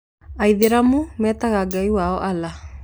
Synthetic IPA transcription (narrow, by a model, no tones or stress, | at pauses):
aiðeɾamumɛːt̪aɣaɡaiwaɔʔala